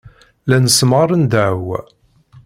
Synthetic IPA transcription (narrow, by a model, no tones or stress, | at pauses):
lænəsmɑɾˤənd̪aʕw